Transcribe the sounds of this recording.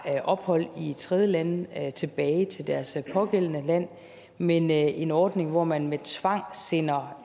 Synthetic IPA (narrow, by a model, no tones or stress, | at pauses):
ʔɒ̽b̥hɒ̽l̰it͡sʰʁɛð̞ˠjəlænt͡sʰe̝b̥ɛːɪt͡sʰe̝ld̥æɐspʰɒ̽ɡ̥el̰ənəlæn̰ | menʔe̝nɒːd̥ne̝ŋʋɒmænmet͡sʰʋɑ̈ŋ̰se̝nɐ